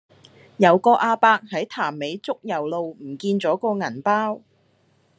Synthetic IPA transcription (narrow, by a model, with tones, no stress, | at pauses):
jɐ˨˧wkɔː˧ʔaː˧paː˧k̚hɐ˨˥jt̪ʰaː˨˩mːe˨˧jt͡sʊ˥k̚jɐ˨˩wlo˨wm̩˨˩kiː˧nt͡sɔː˨˥kɔː˧ŋɐ˨˩npaː˥w